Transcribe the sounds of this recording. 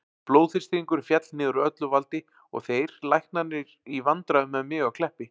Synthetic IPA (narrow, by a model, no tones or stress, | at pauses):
plowðθɪrst̪iiŋkʏɾfjɛt̪lnɪːðʏɾœt̪lʏvalt̪ɪ | ɔ̰ɣθejɾ̥lajhknanɪɾivant̪ɾaðʏmːɛðmɪːɣawkʰl̥ɛhpɪ